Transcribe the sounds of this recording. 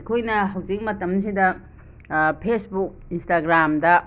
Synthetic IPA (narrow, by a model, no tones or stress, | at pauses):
kʰojnɐɦɐwd͡ʒik̚mɐtɐms̬idɐ | pʰesbuk̚instaɡɾamdɐ